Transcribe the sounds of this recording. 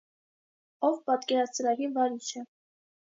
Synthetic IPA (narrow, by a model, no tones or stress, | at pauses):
ɔvpɑt̪kɛɾɑt͡sʰəɾɑɡivɑɾiʃʰə